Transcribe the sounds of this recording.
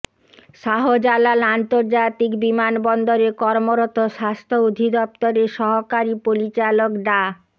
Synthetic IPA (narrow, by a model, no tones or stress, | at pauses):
ʃaɦod͡ʑalalant̪oɾd͡ʑat̪ikbimanbɔnd̪oɾekɔɾmoɾɔt̪oʃast̪ʰood̪ʱid̪ɔp̚t̪oɾeʃɔɦokaɾipoɾit͡ɕalokɖa